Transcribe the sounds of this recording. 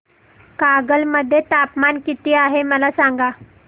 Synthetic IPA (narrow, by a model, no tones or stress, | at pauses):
kaɡəlməd̪ʱːjet̪apmankit̪iːaɦeməlasaŋɡa